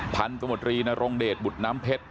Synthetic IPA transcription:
pʰa˧nsa˧mu˨˩t̪̚ɾiː˧na˧ɾo˧ŋdeː˨˩t̪̚bu˨˩t̪̚naː˦˥mpʰe˦˥t̪̚

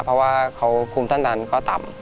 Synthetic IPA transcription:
pʰɾɔ˧˥waː˥˩kʰa˨˦˥wpʰuː˧mt̪ʰa˥˩daː˧nkɔː˥˩t̪a˨˩m

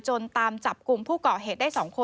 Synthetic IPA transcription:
t͡ɕo˧nt̪aː˧mt͡ɕa˨˩p̚ku˧mpʰuː˥˩kɔː˨˩ɦeː˨˩t̪̚daː˥˩jsɔː˩˦ŋkʰo˧

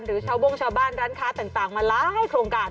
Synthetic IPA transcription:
nɾɯː˩˦t͡ɕʰaː˧˩wbo˧ŋt͡ɕʰaː˧wbaː˧˥˩nɾaː˦˥nkʰaː˦˥t̪aː˨˩ŋt̪aː˨˩ŋmaː˧laː˦˥ha˥˩jkʰɾoː˧ŋkaː˧

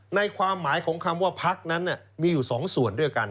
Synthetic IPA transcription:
na˧jkʰwaː˧mːaː˨˩˦jkʰɔː˩˦ŋkʰa˧mwaː˥˩pʰa˦˥k̚na˦˥nːa˥˩miː˧juː˨˩sɔː˩˦ŋsu˨˩əndu˥˩əjka˧n

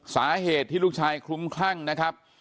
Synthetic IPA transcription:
saː˩˦ɦeː˨˩t̪ʰːiː˥˩u˥˩k̚t͡ɕʰaː˧jkʰɾu˦˥mkʰla˥˩ŋna˦˥kʰa˦˥p̚

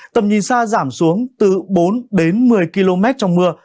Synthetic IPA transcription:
t̪ə˨˩mɲḭ˨˩nsaː˧zaː˧˩msu˨˦əŋt̪ɨ˨˩ɓo˨˦nɗe˨˦nmɨ˨˩əjki˧lo˧mɛ˦˥t̚t͡ɕɔ˧wŋ͡mmɨ˧ə

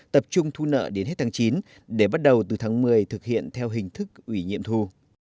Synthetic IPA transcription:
t̪ə˨˩p̚t͡ɕʊ˧ŋ͡mt̪ʰu˧nə̰ː˧˨ɗe˨˦nɦe˦˥t̚t̪ʰaː˨˦ŋt͡ɕi˨˦n | ɗe˧˩ɓa˦˥t̚ɗə˨˩wt̪ɨ˨˩t̪ʰaː˨˦ŋmɨ˨˩əjt̪ʰɨ˨˩k̚hḭ˧˨ənt̪ʰɛ˧wɦï˨˩ŋ̟t̪ʰɨ˦˥k̚ʔwi˧˩ɲḭ˧˨əmt̪ʰu˧

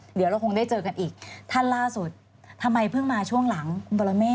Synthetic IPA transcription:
di˩˦wɾa˧wkʰo˧ŋdaː˥˩jt͡ɕɤː˧ka˧nʔiː˨˩k̚t̪ʰa˥˩nlaː˥˩su˨˩t̪̚ʰː | a˧mːa˧jpʰɯ˥˩ŋmaː˧t͡ɕʰu˥˩əŋla˩˦ŋkʰu˧nbɔ˧la˧mɛː˥˩

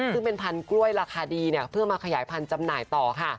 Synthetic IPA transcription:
sɯ˥˩ŋpe˧npʰa˧nkɾu˥˩əjɾaː˧kʰaː˧diː˧ni˥˩ɐpʰɯ˥˩əŋmaː˧kʰa˧jaː˩˦jpʰa˧nt͡ɕa˧mnaː˨˩˦jt̪ɔː˨˩kʰa˥˩

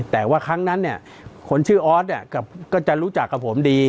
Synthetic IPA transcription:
t̪ɛː˨˩waː˥˩kʰa˦˥ŋna˦˥nːi˥˩ɐ | kʰo˧nt͡ɕʰɯː˥˩ʔɔː˦˥t̪̚ni˥˩ɐka˨˩kɔː˥˩t͡ɕa˨˩ɾuː˦˥t͡ɕa˨˩kːa˨˩pʰːo˩˦mdiː˧

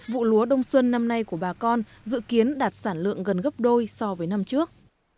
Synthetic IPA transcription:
vṵ˧˨lu˨˦əɗə˧wŋ͡mswə˧nːa˧mna˧jku˧˩əɓaː˨˩kɔ˧n | zɨ̰˧˨ki˨˦ənɗaː˨˩t̚saː˧˩nlɨ̰˧˨əŋɣə˨˩nɣə˦˥p̚ɗo˧jsɔ˧vəː˨˦jna˧mt͡ɕɨ˦˥ək̚

